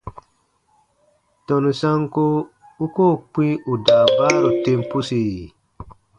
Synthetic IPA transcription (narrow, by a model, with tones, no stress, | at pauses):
tɔ˨nu˨sa˦ŋko˦ | u˦koː˦˨k͡pi˦u˨da˨baː˦ɾu˨te˦mpu˦si˨